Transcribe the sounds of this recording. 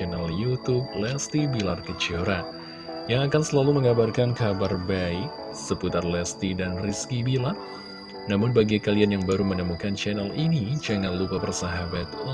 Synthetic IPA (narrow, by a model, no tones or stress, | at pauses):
ɛnaljut̪ub̚lɛst̪ibilarkət͡ʃəɾa | jaŋakansəlaluməŋabarkankabarbai | səput̪arlɛst̪idanriskibila | namʊnbaɡikalianjaŋbaɾumənəmukant͡ʃɛnɛlinid͡ʒaŋanlukapərsaɦabat̪̚